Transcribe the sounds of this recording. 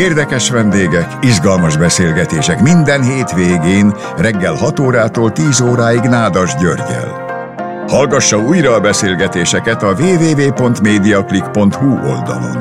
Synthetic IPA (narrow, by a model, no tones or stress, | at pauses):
eːrd̪ɛkɛʃʋɛnd̪eːɡɛkizɡɒlmɒʒbɛseːlɡɛt̪eːʃɛkmind̪ɛnɦeːt̪ʋeːɡeːn | rɛɡːɛlhɒt̪oːɾaːt̪oːlt̪iːzoːɾaːiɡnaːd̪ɒʒɟørɡɛ̰l | hɒlɡɒʃːɒuːjrɒːbɛseːlɡɛt̪eːʃɛkɛt̪ɒveːveːveːpo̞nt̪meːd̪ijɒklikpo̞nt̪huo̞̰ld̪ɒ̰lo̰n